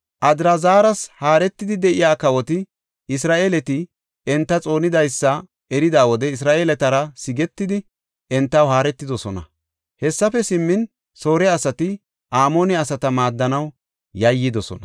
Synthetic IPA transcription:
ʔɐd̪ɾɐzaːɾɐshaːɾɛt̪ːɪd̪ɪd̪ɛʔɪjaːkɐwɔt̪ɪ | ɪsɾaːʔeːlɛt̪ɪ | ɛnt̪ːɐt͡sʼo̞ːnɪd̪ɐjsːɐ | ɛɾɪd̪aːwɔd̪ɛɪs̬ɾaːʔeːlɛt̪ɐɾɐsɪɡɛt̪ːɪd̪ɪ | ɛnt̪ːɐwɦaːɾɛt̪ːɪd̪ɔsɔnɐ̰ | hɛsːɐfɛsɪmːɪn | so̞ːɾɛɐsɐt̪ɪ | ʔaːmo̞ːnɛɐsɐt̪ɐmaːd̪ːɐnɐw | jɐjːɪd̪ɔsɔ̰nɐ

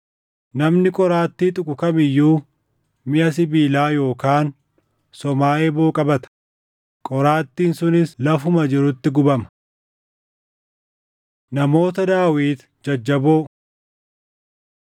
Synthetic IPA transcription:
nɐmnɪkʼɔɾaːt̪ːiːt̪ʼʊkʼʊkɐmɪjːuː | mɪʔɐsɪbiːlaːjo̞ːkaːn | sɔmaːʔeːboːkʼɐbɐt̪ɐ̥ | kʼɔɾaːt̪ːiːnsʊnɪslɐfʊmɐd͡ʒɪɾʊt̪ːɪɡʊbɐmɐ̥ | nɐmo̞ːt̪ɐd̪aːwiːt̪ | d͡ʒɐd͡ʒːɐboː

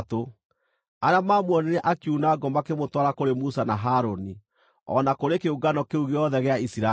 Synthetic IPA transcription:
to | aɾeamaːmwɔneɾɛʔakunaːɡɔmakemotwaɾakoɾemusanaɦaːɾoni | ɔ̰nakoɾekeuɡanɔkeuɣeɔðɛɣeaisiɾa

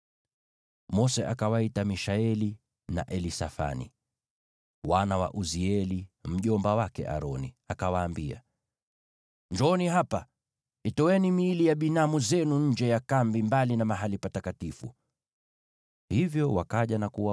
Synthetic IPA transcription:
mɔsɛʔakawaitamiʃaɛli | naʔɛlisafa̰nḭ | wanawa̰ʔuziɛlim̩ʄɔmbawakɛ̰ʔa̰ɾɔni | akawaːmbia̰ | ɲd͡ʒɔɔniɦapa | itɔwɛnimiːlijaɓinamuzɛnuɲ̩d͡ʒɛjakambimbalinamaɦalipatakatifṵ | hivjɔwakaʄanakuwa

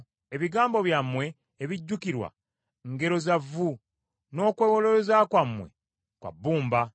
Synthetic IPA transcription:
e̞βiɡaːmbo̞βjamːwe̞ː | βiɟːukiɾwa̰ | ŋɡe̞ɾo̞zavːu | no̞ːkwe̞ːwoloɾozakwamːwe̞̰ | kwa̰bːuːmba

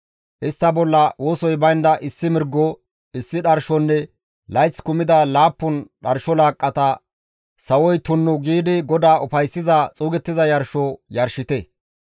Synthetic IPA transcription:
ʔɪst̪ːɐbɔlːɐwoːsɔjbɐjnd̪ɐʔɪsːɪmɪɾɡːɔ | ɪsːɪɗɐɾʃɔnːɛ | lɐjt͡sːkʊmɪd̪ɐlaːpːʊnɗɐɾʃɔlaːkʼːɐt̪ɐ | sɐwɔjt̪ʊnːʊɡiːd̪ɪɡɔd̪aːɔfɐjsːɪzɐt͡sʼuːɡɛt̪ːɪzɐjɐɾʃɔjɐɾʃɪt̪ɛ

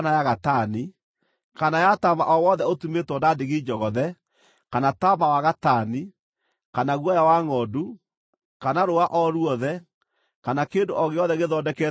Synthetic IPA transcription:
najaɣatani | kanajataβa̰ʔɔwɔðɛotumetwɔdadeɣid͡ʒɔɣɔðɛ | kanatamawaɣatani | kanaɣwɔjawaŋɔdu | kanaɾoaʔɔɾuɔðɛ | kanakeːndoʔɔɣeɔðɛɣeðɔdɛkɛ

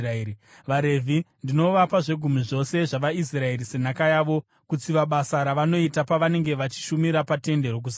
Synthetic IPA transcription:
ʋaɾe̞vʱindino̞ʋapaʐe̞ɡʱumiʐo̞se̞ʐaʋais̬rae̞ɾise̞nakajaːʋo̞ | kut͡siʋaɓasaɾaʋano̞itapaʋane̞ŋɡe̞ʋat͡ʃi̥ʃumiɾapate̞nde̞ɾok̬usḁ

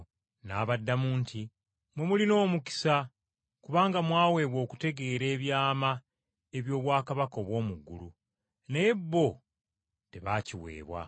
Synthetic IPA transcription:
naːβadːamuːntʰi | mwe̞mulino̞ːmuki̥sa | kuβaːŋɡamwaːwe̞ːβwo̞ːku̥te̞ɡe̞ːɾe̞ːβjaːma | e̞βjo̞ːβwaːkaβako̞ːβwo̞ːmuɡːulu | ne̞bːo̞ | te̞βaciwe̞̰ːβwa̰

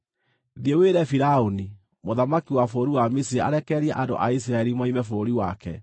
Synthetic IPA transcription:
ðieweɾɛfiɾaoni | moðamakiwafoɾiwamisiɾea̰ɾɛkɛɾjɛʔando̰ʔais̬iɾaɛɾimaimɛfoːɾiwakɛ̰

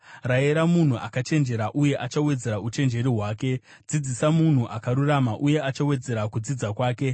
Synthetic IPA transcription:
raeɾamun̤uʔa̰kat͡ʃe̞nd͡ʒe̞ɾaʔuje̞ʔat͡ʃawe̞d͡ze̞ɾaut͡ʃe̞nd͡ʒe̞ɾiɦwaːke̞ | d͡zid͡zisamun̤uʔakaɾuramaʔuje̞at͡ʃawe̞d͡ze̞ɾakud͡zid͡zakwaːke̞

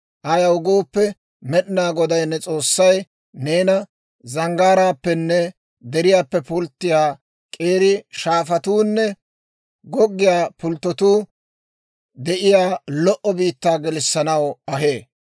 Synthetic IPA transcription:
ʔɐjɐwʊɡoːpːɛ | mɛɗɪnaːɡɔd̪ɐjnːɛt͡sʼo̞ːsːɐj | neːnɐ | zɐŋɡaːɾaːpːɛnːɛ | d̪ɛɾɪjaːpːɛpʊlt̪ːɪjaː | kʼe̞ːɾɪʃaːfɐt̪uːnːɛ | ɡɔɡːɪjaːpʊlt̪ːɔt̪uː | d̪ɛʔɪjaːlɔʔɔbiːt̪ːaːɡɛlɪsːɐnɐwɐɦe̞ː

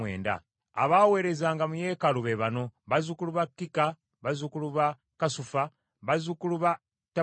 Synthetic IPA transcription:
wḛːnda̰ | a̰βawe̞ɾe̞zaːŋɡamuje̞ːkaluβeβano̞βazukuluβakːika | βazukuluβa | kasufa | βazukuluβa | ta

